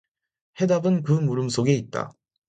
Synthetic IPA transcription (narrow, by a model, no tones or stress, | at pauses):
he̞dabɯnkɯmuɾɯmsʰoɡe̞it̚t͈a̰